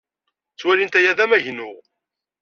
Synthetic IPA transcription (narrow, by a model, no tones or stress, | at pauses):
t͡sːwælint̪æjæðæmæʝnʊʁ